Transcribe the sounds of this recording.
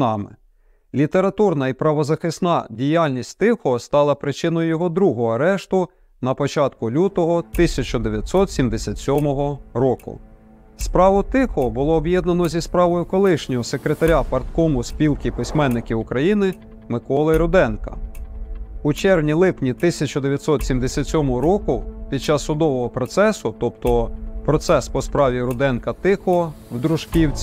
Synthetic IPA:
ɑmɪ̰ | lʲit̪e̞ɾɐt̪urnɐipɾɐʋɔzɐxɪsnɑdʲijɑlʲnʲisʲtʲt̪ɪxɔst̪ɑlˠɐpɾɪt͡ʃɪnɔjʊjɔɦɔd̪ɾuɦɔɦɔɐɾɛʃt̪ʊ | nɐpɔt͡ʃɑt̪kʊlʲut̪ɔɦɔt̪ɪsʲɐt͡ʃɔd̪eʋʲjɐt̪ʲsɔt̪sʲimd̪esʲat̪ʲsʲɔmɔɦɔɾɔkʊ̰ | spɾɑʋʊt̪ɪxɔbʊlˠɔːbjɛd̪nɐnɔzʲispɾɑʋɔjʊkɔlˠɪʃnʲɔjɔse̞kɾet̪ɐɾʲapɐrt̪̚kɔmʊsʲpʲilˠkʲipɪsʲmɛnːɪkɪʊkɾɐjinɪ | mɪkɔlˠɪɾʊd̪ɛnkɐ̰ | ut͡ʃɛrwnʲilˠɪpnʲit̪ɪsʲɐt͡ʃɔd̪eʋjɐt̪sɔt̪sʲimd̪esʲat̪ʲsʲɔmɔɦɔɾɔkʊpʲid̪̚t͡ʃɑsːʊd̪ɔʋɔɦɔpɾɔt̪sɛsʊt̪ɔpt̪ɔpɾɔt̪sɛspɔspɾɑʋʲiɾʊd̪ɛnkɐt̪ɪxɔɔwd̪ɾʊʒ̥kʲiwt͡sʲ

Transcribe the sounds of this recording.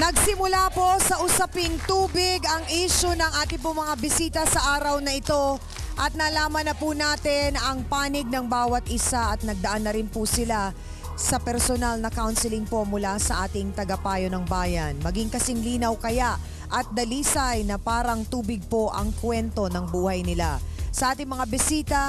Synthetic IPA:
nɐɡsɪmʊlapo̞sɐʔʊsɐpɪŋt̪uːbɪɡɐŋʔiʃʊnɐŋʔaːt̪ɪp̬ʊŋmɐŋabɪsiːt̪ɐsɐʔaːɾɐwnɐɪt̪o̞ | ʔɐt̪̚nɐlaːmɐnɐpunaːt̪ɪnɐŋpaːnɪɡ̚nɐŋbaːwɐt̪̚ʔɪsaʔɐt̪̚nɐɡ̚d̪ɐʔanːɐɾɪnpʊsɪla | sɐpɛɾsonalnɐkawnsɪlɪŋpo̞mʊlasɐʔaːt̪ɪŋt̪ɐɡɐpaːjo̞nɐŋbaːjɐnmɐɡɪŋkɐsɪŋliːnɐwkɐjaʔ | ʔɐt̪̚d̪ɐliːsɐjnɐpaːɾɐŋt̪uːbɪɡ̚po̞ʔɐ̰ŋkwɛnt̪o̞nɐŋbuːhɐjnɪla̰sɐʔaːt̪ɪŋmɐŋabɪsiːt̪ɐ

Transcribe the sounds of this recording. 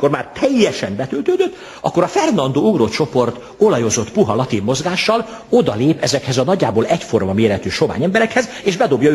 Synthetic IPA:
ko̞rmaːrt̪ʰɛjːɛʃɛmbɛt̪ølt̪øːd̪øt̪ː | ɒ̰kːo̞ɾɒfɛrnɒnd̪oːuɡrot͡ʃo̞po̞rt̪ | o̞lɒjozo̞t̪puɦɒlɒt̪imːo̞zɡaːʃːɒl | o̞d̪ɒ̰leːpɛzɛkhɛzɒnɒɟːaːboːlɛcfo̞rmɒmeːɾɛt̪yːʃo̞va̰ːɲɛmbɛɾɛkhɛz | eːʒbɛd̪o̞bjɒ

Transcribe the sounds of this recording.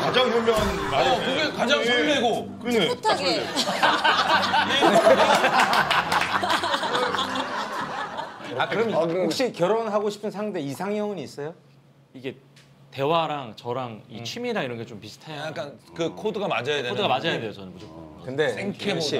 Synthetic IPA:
kad͡ʑaŋmumbjʌnkoɡekad͡ʑaŋiiɾeɡo | kɯɲtʰɡ | akɯɾʌmokɕ͈ikjʌɾonɦaɡoɕʰi̥pʰɯnsʰaŋde̞isʰaŋjʌŋʌniːs͈ʌjo | iɡe̞ | te̞waɾaŋt͡ɕʌɾaŋit͡ɕʰimiɾaiɾʌnɡet͡ɕompisʰɯ̥tʰaak͈ankɯkʰodɯɡamad͡ʑajadeonɯɡamad͡ʑajadwe̞jot͡ɕʌnɯnbud͡ʑokɯnde̞eŋkʰeoɕ͈i

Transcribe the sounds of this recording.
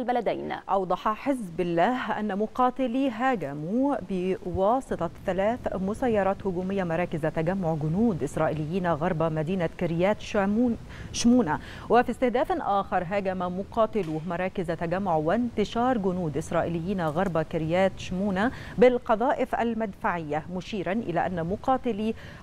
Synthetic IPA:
lbælæd̪æjnʔɑwd̪ˤɑħɑħɪzbɪlːæːhʔa̰nːæmʊqɑːt̪ɪliɦæːɡæmubɪwɑːsˤɨt̪ˤɑθælæːθmʊsæjːɑɾˤɑːt̪hʊɡuːmɪjːamɑɾˤɑːkɪzat̪æɡamːʊʕɡʊnuːd̪ʔɪsɾˤɑːʔilɪjːiːnaɣɑɾˤbɑmæd̪iːnakɪɾɪjæːt̪ʃ | ʃmuːna | wɪfist̪ɪhd̪æːfnʔæːxɑɾˤɦæːɡæmamʊqɑːt̪ɪluːhmɑɾˤɑːkɪzt̪æɡæmːʊʕwɪnt̪ɪʃɑːɾˤɡʊnuːd̪ʔɪsɾˤɑːʔilɪjːiːnaɣɑɾˤbɑkɪɾɪjæːt̪ʃmuːnabɪlqɑðˤɑːʔɪfʔæ̰lmad̪faʕɪjːamʊʃiːɾanʔɪ̰læːʔænːmʊqɑːt̪ɪli

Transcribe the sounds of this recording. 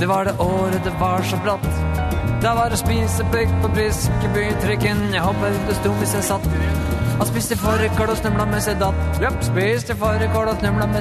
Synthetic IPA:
d̪̥ɛʋɑɖɛʔoːɾəd̪ɛʋɑʂɔblɑt̪ːd̪̥ɑʋɑɾɔspiːsəplʏkːpʰɔpʰɾiːskəbyːt̪ʰɾʏkːənjæhoːpəɾɔmd̪ɛst̪uːʋɪsjæsɑt̪ː | ɔspiːst̪ʰɪfɔɾəkɔɽɔsnʉmlɑmɛsɛd̪ɑt̪jəpspist̪ɪfɔɾəkɔɽɔsnʉmlɑmɛ

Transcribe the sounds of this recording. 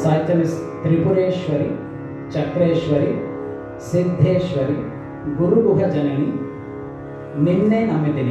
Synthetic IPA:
sɐːjt̪ɐnist̪ɾipuɾeːʃʋɐɾi | t͡ʃɐkɾeːʃʋɐɾi | sid̪ʱːeːʃʋɐɾi | ɡuɾuɡuɦɐd͡ʒɐnɐni | ninːeʔɐmit̪ini

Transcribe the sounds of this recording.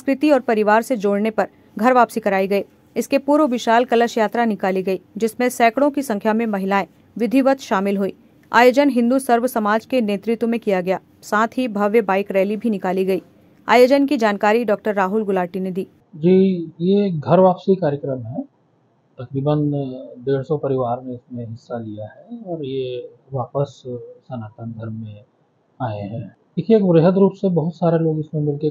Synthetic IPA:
skɾɪt̪iɔːɾpɐɾɪʋaːɾsed͡ʒoːɽnepɐɾ | ɡʱɐɾʋaːpsikɐɾaːiɡɐiː | ɪskepuːɾoʋɪʃaːlkɐləʃjaːt̪ɾanɪkaːliɡɐiːd͡ʒɪsmẽsɛːkɽõkisɐ̃ŋkʰjamẽmɐɦɪlaːẽ | ʋɪd̪ʱiʋət̪ʃaːmɪlɦuḭː | a̰ːjoːd͡ʒənɦɪ̃nd̪usɐɾʋəsɐmaːd͡ʒkeneːt̪ɾɪt̪wmẽkijaɡɐjaː | saːt̪ʰɦibʱɐʋjəbaːɪkɾɛːlibʱinɪkaːliɡɐiː | aːjoːd͡ʒənkid͡ʒaːnkaːɾiɖɔːk̚ʈəɾːaːɦʊlɡʊlaːʈined̪iː | d͡ʒiːjeɡʱɐɾʋaːpsikaːɾjəkɾəmɦɛː | t̪ɐkɾiːbənd̪eːɽsɔpɐɾɪʋaːɾmẽɪsmẽɦɪsːalijaɦɛɔːɾje | ʋaːpəssɐnaːt̪ə̃nɡʱɐɾmẽ | aːḛɦɛ̃ː | ɪkieːkbɾeɦəd̪ɾuːpsebɐɦʊt̪saːɾeloːɡɪsmẽmɪlke

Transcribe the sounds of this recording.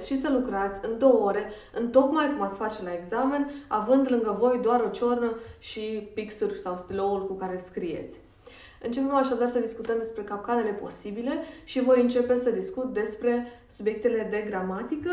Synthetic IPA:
ʃisəlukɾat̪sʲɨnd̪o̞wəoɾe̞ | ɨnt̪o̞kmajkumat̪sʲfat͡ʃe̞lae̞ɡzame̞navɨnd̪lɨŋɡəvo̞jd̪oaɾo̞t͡ʃornəʃipiksurʲsawst̪ilo̞ulkukaɾe̞skɾije̞̰t̪sʲ | ɨnt͡ʃe̞pe̞maʃad̪arsəd̪iskut̪əmd̪e̞spɾe̞kap̚kane̞le̞po̞̰sibile̞ʃivo̞jɨnt͡ʃe̞pe̞səd̪iskut̪̚d̪e̞spɾe̞subje̞k̚t̪e̞le̞d̪e̞ɡɾamat̪ikə

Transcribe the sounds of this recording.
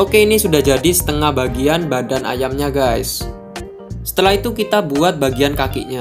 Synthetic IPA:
ʔokeinisudahd͡ʒadisə̥t̪əŋahbaɡianbadanʔa̰jamɲaɡaɪs | sə̥t̪əlaɦit̪ukit̪abuat̪̚baɡiankakɪ̰ʔɲa

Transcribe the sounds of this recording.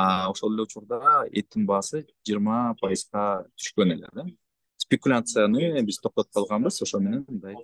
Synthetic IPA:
ɑo̞ʃoe̞lʲe̞ut͡ʃuɾd̪ɑet̪ːinbɑːsɯd͡ʒijːɾmɑpʰajɨzʁɑt̪ʰy̥ʃkø̞ne̞le̞̰d̪e | spʲekulʲat̪sɨjanɯbiz̥t̪ʰo̞qt̪o̞p̚qʰɑlˠʁɑnbɯzo̞ʃo̞lˠme̞ne̞mɯnd̪ɑj

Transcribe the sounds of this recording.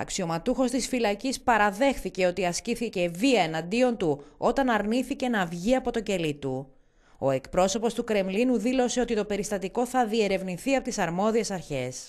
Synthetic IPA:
ɐ̰ksio̞mɐt̪uxo̞st̪isfilɐcispɐɾɐðe̞xθice̞o̞t̪iɐsciθice̞viɐe̞nɐnd̪io̞nt̪uo̞t̪ɐnɐɾniθice̞nɐvʝiɐpo̞t̪o̞ɟe̞lit̪u | o̞̰e̞kpɾo̞so̞po̞st̪ukɾe̞mlinuðilo̞se̞o̞t̪it̪o̞pe̞ɾist̪ɐt̪iko̞θɐðie̞ɾe̞vniθiɐpot̪isɐɾmo̞ðie̞sɐɾçe̞s

